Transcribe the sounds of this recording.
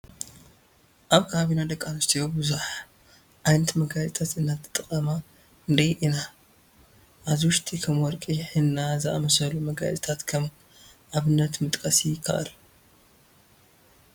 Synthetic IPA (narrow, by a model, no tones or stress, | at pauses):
ʔaβkʰaβinad̪ɐkʼːanɐst̪ʰijobɨzuħ | ʔajnɐt̪mɐɡad͡ʒt̪ʰat̪ɨnːat̪ʰɨ̥t̪ʼɨχʼɐma | ɨnd̪ɐjʔina | ʔazwʊʃt̪ʰikʰɐmwɔɾkʼiħɨnːazɨʔa̰mɐsɐlumɐɡa̰d͡ʒʼt̪ʰat̪kʰɐm | ʔaβɨnːɐt̪mɨt̪ʼkʼɐsijɪkʰːɐ̰ʔa̰l